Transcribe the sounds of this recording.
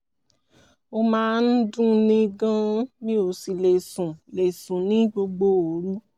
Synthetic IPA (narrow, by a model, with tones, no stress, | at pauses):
o˧mãː˦n̩˦dũ˦nĩ˦ɡã˦nĩ˦o˧˨si˨le˨sũ˨le˨sũ˨nĩ˨˦ɡ͡bo˧ɡ͡bo˧o˨ɾu˦